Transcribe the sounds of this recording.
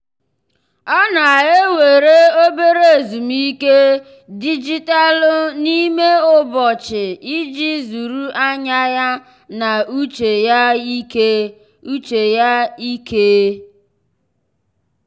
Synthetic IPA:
ɔ˦na˨a˨ɦe˦we˨ɾe˦o˦be˦ɾe˨zu˨mi˦ke˦ | di˦d͡ʒi˦ta˦lʊ˦ni˦me˦ʊ˦bɔ˨t͡ʃɪ˨i˦d͡ʒi˦zu˨ɾu˦ʔa˦ɲa˦ja˦ | na˨u˦t͡ʃe˨ja˦i˦ke˦ | u˦t͡ʃe˨ja˦i˦ke˦

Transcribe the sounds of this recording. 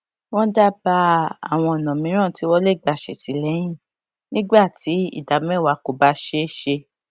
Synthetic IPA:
wɔ̃˦da˦ba˧a˦˨w̃ɔ̃˧ɔ˨nã˨mĩ˨˦ɾ̃ã˦˨ti˨˦wɔ˧˦le˦˨ɡ͡ba˧˨ʃe˨ti˨˦˨lɛ˨˦j̃ĩ˦˨ | nĩ˦ɡ͡ba˦˨ti˨˦ḭ˦˨da˨˦mɛ̃˦˨wa˧ko˨ba˧˦ʃe˧ʃe˧

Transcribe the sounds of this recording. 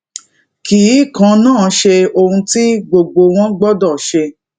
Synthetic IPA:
kiː˨˦˨kã˨˧˦nãː˦˨ʃe˧o˧hũ˧ti˦ɡ͡bo˧ɡ͡bo˧w̃ɔ̃˦ɡ͡bɔ˦dɔ˦˨ʃe˧

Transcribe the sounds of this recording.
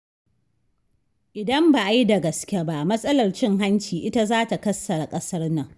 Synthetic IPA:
ʔɪ˨dɐ˦mba˨ʔa˦jda˨ɡɐ˨skʲe˦ba˦ʔmɐ˦sʼɐ˦lɐ˨rt͡ʃɪ˦ŋɦa˦nt͡ʃiː˨ʔɪ˦ta˦zaː˦ta˨kɐ˦sːɐ˨ɾa˨kʼɐ˦sɐ˦rnɐ˨ŋ

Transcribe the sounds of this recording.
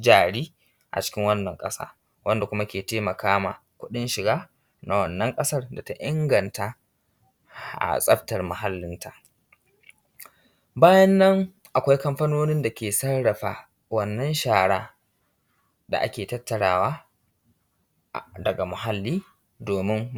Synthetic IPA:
d͡ʒaː˨ɽiː˦ | ʔa̰˨t͡ʃɪ̥˦kʲɪ˦ŋwɐ˦nːɐ˨ŋkʼɐ˦sa̰ː˦ | wɐ˦nda˨kʷʊ˦ma˦kʲeː˨teː˦mɐ˨kaː˦ma̰ː˨ | kʷʊ˦ɗɪ˦nʃɪ˨ɡaː˦ | na˨wɐ˨nːɐ˦ŋkʼɐ˦sɐ˦rda˨ta˦ʔɪ˦ŋɡɐ˨nta˦ | ʔa̰˨sʼɐ˦ɸtɐ˨rmʊ˨ha˦lːɪ˦ntʰa˨ʔ | baː˦jɐ˦nːɐ˦ŋ | ʔa˨kʷa˦jkɐ˦mɸɐ˦noː˦nɪ˦nda˨kʲeː˨sɐ˦rɽɐ˨ɸaː˨ | wɐ˦nːɐ˦nʃaː˨ɽaː˦ | da̰˨ʔa̰˦kʲeː˨tɐ˦tːɐ˨ɽaː˦waː˦˨ | dɐ˨ɡa˨mʊ˨ɦa˦lːiː˦ | doː˨mɪ˦m

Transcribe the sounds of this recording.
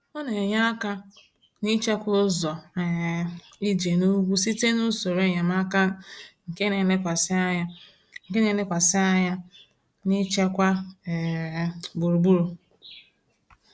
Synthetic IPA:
ɔ˦ne˨ɲa˦a˦ka˦ | ni˦t͡ʃe˦kʷʊ˦zɔ˨ | i˦d͡ʒe˨nu˦ɡʷu˦si˦te˦nu˦so˨ɾe˦ɲa˨m˦a˦ka˦ŋ̩˨ke˦ne˨le˦kʷa˨sɪ˦a˦ɲa˦ | ŋ̩˨ke˦ne˨˦le˦kʷa˨sɪ˦a˦ɲa˦ | ni˦t͡ʃe˦kʷa˦˨ | ɡ͡bu˨ɾu˨ɡ͡bu˦ɾo˨

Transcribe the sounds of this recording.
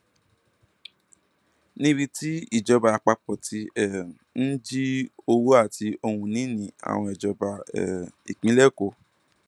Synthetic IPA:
nĩ˦bi˦˧ti˦i˦˨d͡ʒɔ˧ba˧a˧˨k͡pa˧k͡pɔ˨ti˧ɛ˦˨ | n̩˦d͡ʒi˦o˧wo˦a˦˨ti˧o˧hũ˧nĩ˨˦nĩ˧˦a̰˨w̃ɔ̃˧ɛ˨d͡ʒɔ˧ba˧ɛ̰˨ḭ˨k͡pĩ˨˦lɛ˦˨ko˧˨

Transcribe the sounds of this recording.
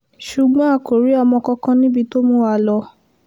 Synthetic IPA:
ʃu˨ɡ͡bɔ̃˦a˦˨ko˨ɾi˨˦a˧mɔ̃˧kɔ̃˧kã˧nĩ˦bi˧to˦mũ˦wa˧lɔ˧

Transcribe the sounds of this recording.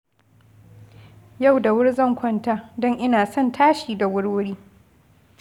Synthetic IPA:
ja˦˨wda˨wʊ˦ɽzɐ˦˨ŋkʷɔ˦ntaː˦dɔ˦ŋʔɪ˦naː˨sɔ˦˨ntʰaː˦ʃiː˨da˨wʊ˦ɽwʊ˦ɽiː˦

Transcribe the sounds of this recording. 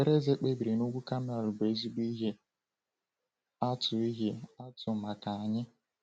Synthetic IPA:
e˦ɾe˦ze˦k͡pe˦bi˨ɾe˨nu˦ɡʷu˦ka˦m˦a˨ɾʊ˨ɡ͡be˨˦zi˦ɡ͡bi˦ɦe˦ | a˦tʊ˨i˦ɦe˦a˦tʊ˨ma˨ka˨a˨ɲɪ˦

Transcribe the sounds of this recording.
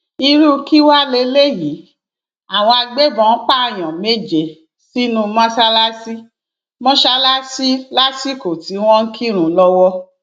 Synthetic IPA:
i˧ɾu˦ki˦wa˦le˧˦le˦ji˨˦ | a˨w̃ɔ̃˧a˧ɡ͡be˦bɔ̃˨˧˦k͡pa˦a˨j̃ɔ̃˨me˦d͡ʒe˨ | si˦nũ˧mã˦sa˦la˦si˦ | mɔ̃˦ʃa˦la˦si˦la˦si˦ko˨ti˨˦w̃ɔ̃˦n̩˦kʰi˦ɾ̃ũ˨lɔ˧wɔ˦

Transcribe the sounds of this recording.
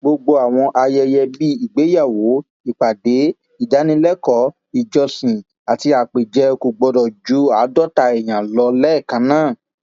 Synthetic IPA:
ɡ͡bo˧ɡ͡bo˧a˨w̃ɔ̃˧ʔa˧jɛ˧jɛ˧bi˦i˨ɡ͡be˨˦ja˦˨wo˨˦ | i˨k͡pa˨de˨˦ | i˦˨da˨˦nĩ˧lɛ˦kɔ˨˦ | i˨d͡ʒɔ˧sĩ˨ | a˨ti˧a˨k͡pe˨d͡ʒɛ˧˦˧ku˨ɡ͡bɔ˧dɔ˨d͡ʒu˨˦a˨˦dɔ˦˨ta˧ɛ˨j̃ã˨lɔ˧˦lɛ˦˨kã˨˦nãː˦˨

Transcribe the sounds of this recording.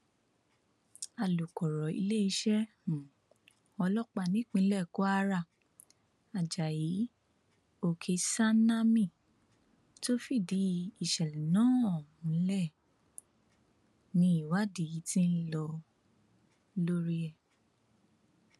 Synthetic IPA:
a˨lu˨kɔ˨ɾɔ˨ḭ˧le˦i˧˦ʃɛ˦ | ũ˨ | ɔ˧lɔ˦k͡pa˧˨nĩ˦k͡pĩ˧˦lɛ˦˨ko˦a˦ɾa˦˨ | a˨d͡ʒa˨ji˨˦ | o˧˨kʰe˧sa˦na˦mĩ˦˨ | to˦fi˦˨di˨˦i˦˨ʃɛ˨lɛ˨nãː˦ɔ˦˨hũ˨˦lɛ˦˨ | nĩ˧˦i˦˨wa˦di˨i˨˦tĩ˦n̩˦lɔ˧ | lo˦ɾi˦ɛ˦˨

